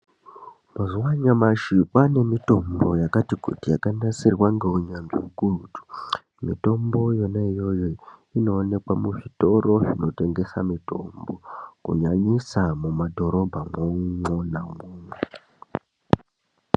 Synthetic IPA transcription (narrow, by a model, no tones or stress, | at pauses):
mazuwaɲamaʃipane̞mito̞mbo̞jakatikṵtijakanasirwaŋɡe̞uɲanʐiukurutu̥ | mito̞mbo̞jo̞naijo̞joino̞ːne̞kwamuʐito̞ro̞ʐino̞te̞ŋɡe̞samito̞̰mbo̞kṵɲaɲisamumadʱo̞ɾo̞bʱamoŋonamuːnwe